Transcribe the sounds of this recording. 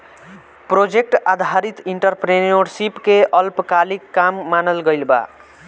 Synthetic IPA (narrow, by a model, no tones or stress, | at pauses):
pɾod͡ʒek̚ʈad̪ʱaɾit̪iɳʈəɾpɾenoɾsipkeʔəlpkalikːamːanəlɡəjlba̰